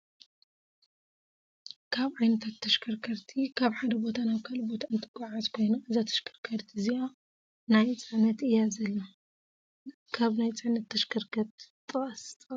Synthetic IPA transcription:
kʰaβʕajnɐt̪ʰat̪ʰːɐʃkʰɐɾkʰɐɾt̪ʰikʰaβħad̪ɐbo̞t̪ʰanaβkʰalbo̞t̪ʰaɨnt̪ʰɨɡʼaʕazkʰo̞jnaʔɨzat̪ʰɐ̥ʃkʰɐ̥ɾkʰɐɾt̪ʰiɨzia | najt͡sʼɨʕnɐt̪ɨjazɐlːa | kʰaβnajt͡sʼɨʕnɐt̪ʰːɐʃkʰɐɾkʰɐɾt̪t̪ʼɨɐst̪ʼ

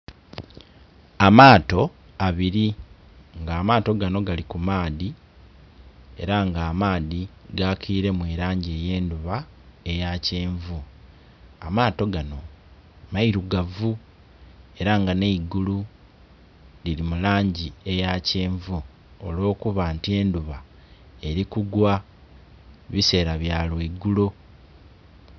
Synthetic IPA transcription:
amaːto̞ | aβiɾi | ŋɡaːmaːto̞ɡano̞ɡalikumaːði | e̞ɾaŋɡaːmaːðiɡakʰiːɾe̞mweːɾaːɲɟe̞ːje̞ːnduβa | e̞jace̞ːɱvu | amaːto̞ɡano̞ | maiɾuɡavu | e̞ɾaŋɡaneiɡulu | lilimulaːɲɟie̞jace̞ːɱvu | o̰lo̞ːkuβaːntie̞ːnduβa | e̞ɾikuɡwa | βise̞ːɾaβjaːlweɡːulo

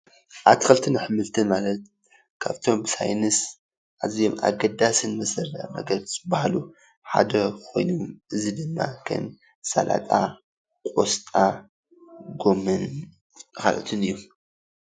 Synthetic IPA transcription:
ʔaβt̪ʰkɐlt̪ʰɨnaħɨmɨlt̪ʰɨnmalɐt̪̚ | kʰaβt̪ʰo̞mbɨsa̰jnɨs | ʔazijomʔa̰ɡɐd̪asɨnmɐsɐɾːɐ̰nɐ̰ɡɐɾzɨbahalu | ħa̰d̪ɐkʰo̞̰jnomɨzid̪ɨmːa̰kʰɐ̰m | sa̰lʔa̰t̪ʼa | kʼost̪ʼa | ɡo̞mɨn | ka̰lʔot̪ʰɨnɨjːu

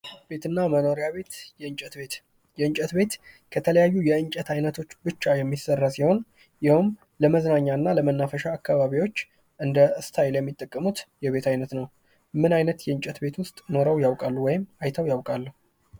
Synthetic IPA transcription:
be̞t̪ɨnːaməno̞ɾijaβe̞t̪jɛɨt͡ʃʼɛt̪bet̪ | jɛɨnt͡ʃʼət̪be̞t̪ | kʰət̪ʰələjajːujɛɨnt͡ʃʼət̪ʰajnət̪ʰo̞t͡ʃːbɨt͡ʃːajɛmːisərːəsiho̞n | jɪhʊm | ləməznaɲːanːaləmənːafəʃaːkːaβaβiwo̞t͡ʃː | ʔɨnd̪əʔɨst̪ʰajljɛmːit̪ʼːəkʼːəmut̪jɛβe̞t̪ʰajnət̪nəw | mɨnajnət̪jɛɨnt͡ʃʼɛt̪be̞t̪wʊst̪ʼno̞ɾəwjawkʼalːuwɔjɪmajt̪ʰəwjawkʼalːəhu

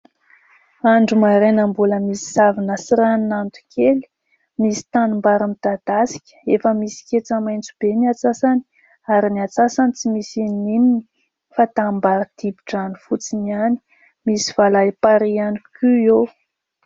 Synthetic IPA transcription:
aɳɖ͡ʐumaɾenambuləmisi̥savinəsiɾaninant̪u̥kʰeli̥ | misi̥t̪anumbaɾamid̪̥ad̪̥asi̥kʲə̥efəmisi̥kʲet͡səmajnt͡sub̥eniat͡sasani̥ | aɾiniat͡sasanit͡simisinimini̥ | fat̪ambaɾəd̪̥ibiʈ͡ʂanifut͡siniani̥ | misivalajpaɾianikʲʰuew

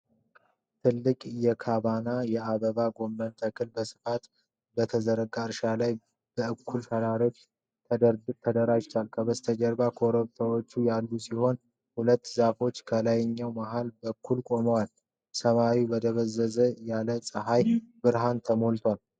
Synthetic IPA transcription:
t̪ʰɨlːɨkʼjɛkʰaβanajɛaβəβaɡo̞mbənt̪ʰəkʰɨlbəsɨ̥fat̪ | bət̪ʰəzəɾəɡʼaɾʃalaj | b̥əʔɨkʰːulfʰəɾaɾo̞t͡ʃː | t̪ʰəət̪ʰəd̪əɾad͡ʒt̪ʰwalkʰəβəst̪ʰəd͡ʒəɾbakʰoɾoβt̪ʰawot͡ʃːujalːusiho̞n | hulət̪ːzafo̞t͡ʃːkʰəlajɲːawmaɦalbəkʰːulkʼo̞məwal | səmawibəd̪əβəzːəzəjaləsʼɨɦajbɨɾɦant̪ʰəmolt̪ʰwal

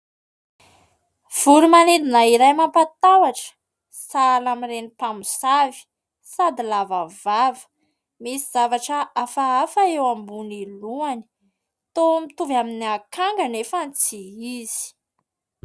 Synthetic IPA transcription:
v̥uɾumaned̪inaiɾajmampat̪awaʈ͡ʂə̥ | salamirenipamusavi̥ | sad̪ilavavavə̥ | misiz̥avaʈ͡ʂəʔafaafaewambuniluani̥ | t̪omit̪uvaminiakaŋɡanefant͡siiz̥i̥

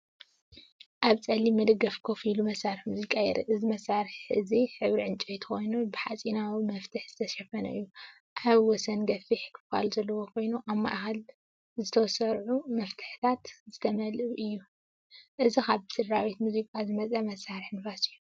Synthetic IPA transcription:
ʔaβt͡sʼɐlːimɐd̪ɨɡɐfkʰo̞filumɐsːaɾɨħmuzikʼajɛɾʔḭʔɨzimɐsːaɾɨħħʔɨziħɨβɾiʕɨnt͡ʃʼojt̪ʰɨ̥xo̞jnubɨħat͡sʼinawimɐft̪ʰɨħz̥ɨt̪ʰɐʃɐfɐnɐ̰ɨjːu | ʔaβwɔsɐnɡɐfiħkʰɨ̥fa̰luzɐlːɐwokʰo̞jnuʔaβma̰ʔxal | zɨt̪ʰɐwsɐɾʕumɐft̪ʰɨ̥ħt̪ʰat̪zɨt̪ʰɐmɐlɨβʔɨjːu | ʔɨzikaβbsɨɾːawit̪muzikʼazɨmɐt͡sʼɐmɐsːaɾɨħɨnfasɨjːu

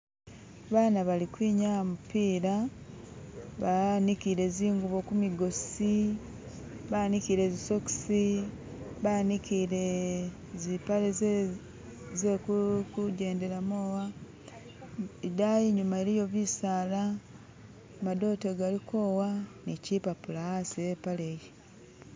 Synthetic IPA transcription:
βaːnaβalikwiːɲamupiːɾa | βanikiɾe̞ziːŋɡuβo̞kumiɡo̞si | βanikiɾe̞ziso̞ki̥si | βanikiɾe | zipale | zekukuɟe̞ːnde̞ɾamowa | idajiɲumaeɾijo̞βisaːla | mado̞teɡaliko̞ːwaniciːpapulaasiepaleji

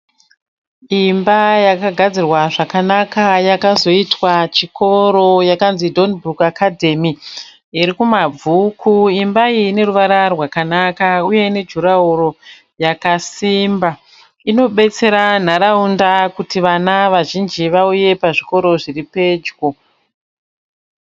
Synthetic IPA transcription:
imbajakaɡʱad͡zirwaʐakanakajakazo̞itwat͡ʃiko̞ɾo̞jakanzidʱo̞nbrukakadʱe̞mi | iɾikumab͡vʱukʰuimbaiːne̞ruʋaɾarwakanakauje̞ine̞d͡ʒʱuɾauro̞ | jakasiːmba | ino̞ɓe̞t͡se̞ɾan̤aɾaundakutiʋanaʋaʒind͡ʒiʋauje̞paʐiko̞ɾo̞ʐiripe̞d͡ʒɡo

